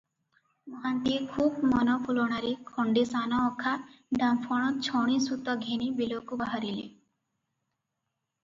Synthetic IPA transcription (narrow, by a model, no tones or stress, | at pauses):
mɔɦant̪iekʰub̚mɔnɔpʰulɔɽ̃aɾekʰɔɳɖesanɔɔkʰaɖampʰɔɽ̃ɔt͡ʃʰɔɽ̃isut̪ɔɡʱenibilokubaɦaɾile